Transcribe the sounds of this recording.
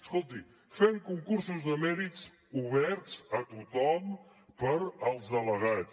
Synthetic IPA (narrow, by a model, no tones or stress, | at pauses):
əskolˠt̪i | feŋkuŋkuɾsuzðəmɛɾit͡s | uβɛɾt͡sət̪ut̪ɔm | pəɾəlˠzələɣa